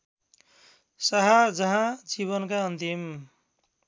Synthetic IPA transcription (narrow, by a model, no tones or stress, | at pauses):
sʌɦad͡zʌɦãd͡ziβʌnkaʌnt̪im